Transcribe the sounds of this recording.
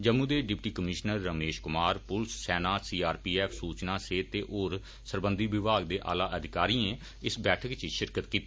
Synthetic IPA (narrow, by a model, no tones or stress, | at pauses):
d͡ʒəmːũːd̪eːɖɪpʈiːkəmɪʃnəɾːəmeːʃkʊmaːɾpʊlsːɛːnaːsiːaːɾpiːɛːpʰsuːt͡ʃnaːseːt̪eːʔoːɾ | səɾbə̃nd̪iːʋɪbʱaːɡ̚d̪eːʔa̰ːlaːʔəd̪ʱɪkaːɾiːẽ | ɪsbɛːʈʰəkt͡ʃiʃɪɾkət̪kiːt̪ːiː